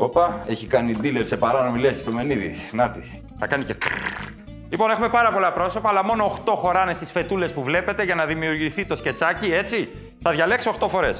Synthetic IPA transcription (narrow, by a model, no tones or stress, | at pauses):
o̞pɐe̞çikɐnid̪ileɾse̞pɐɾɐno̞milesci̥st̪o̞me̞niðḭnɐt̪i̥ | θɐkɐnicet̪o | lipo̞ne̞xume̞pɐɾɐpo̞lɐpɾo̞so̞pɐːlɐmo̞no̞ːxt̪o̞xo̞ɾɐne̞st̪isfe̞t̪ule̞spuvle̞pe̞t̪e̞ʝɐnɐðimiuɾʝiθit̪o̞sce̞t͡sɐcie̞t͡si | θɐðʝɐle̞ksoːxt̪o̞fo̞ɾe̞s